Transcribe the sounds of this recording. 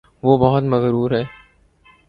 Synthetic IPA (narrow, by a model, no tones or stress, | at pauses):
ʋoːbɐɦʊt̪mɐɣɾuːɾɦɛː